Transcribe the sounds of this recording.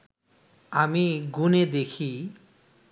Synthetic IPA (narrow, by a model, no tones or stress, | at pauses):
amiɡuned̪ekʰi